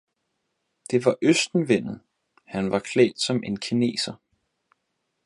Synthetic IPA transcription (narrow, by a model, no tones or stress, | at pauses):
d̥e̝ʋɑ̈ʔøsd̥n̩ʋen̰ð̩ˠ | hænʋɑ̈kʰlɛ̰ːd̥sɒ̽me̝nkʰine̝̰ːsɐ